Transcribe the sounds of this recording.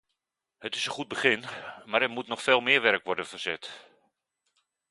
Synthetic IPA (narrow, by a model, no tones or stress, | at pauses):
hətɪsənχud̚bəχɪnmaːɾɛɹmutnɔχfeːlˠmɪːɹʋɛɹkʋɔɹdənvəɹz̥ɛt